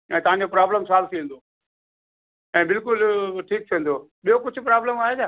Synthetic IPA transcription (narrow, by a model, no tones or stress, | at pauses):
ɛ̃ːt̪ɐʋ̤ãɲd͡ʑopɾaːbləmsaːlt̪ʰĩːnd̪oː | ɛ̃ːbɪlkʊlʈʰiːk̚t̪ʰiẽnd̪oːɓijokʊd͡ʑʱʊ̆pɾaːbləmaːɦet͡ɕʰaː